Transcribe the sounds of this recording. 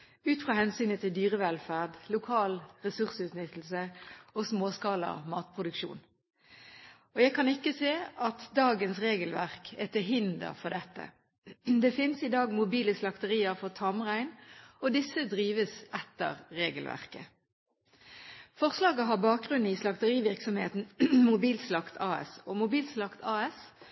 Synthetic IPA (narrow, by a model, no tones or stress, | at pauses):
ʉːt̪fʁɑːhɛnsyːnət̪ʰɪld̪yːʁəʋɛlfæːʁd̪lʊkʰɑːlʁɛsʉʁsʉt̪nʏt̪ːl̩səosmoːskɑːlə̰mɑːt̪̚pʰʁʊd̪ʉkʃṵːn | ɔjæɪkʰɑnɪkːəseːɑt̪d̪ɑːɡənsʁeːɡəlʋæʁkʰɛt̪ɪɦɪnd̪ə̰ʁfɔd̪ɛt̪ːə̰ | d̪ɛfɪnsɪd̪ɑːɡmʊbiːləslɑkt̪əʁiːəɾfɔʁt̪ʰɑmʁæɪnɔd̪ɪsəd̪ʁiːʋəsɛt̪ːə̰ʁːeːɡəlʋʔæ̰ʁkə | fɔʁslɑːɡəɦɑʁbɑːk̚ɡʁʉn̩ːɪslɑkt̪əʁiːʋɪʁksɔmheːt̪n̩mʊbiːlt̪slɑkt̪ʰɑːɛ̰sɔmʊbiːlt̪slɑkt̪ʰɑːɛs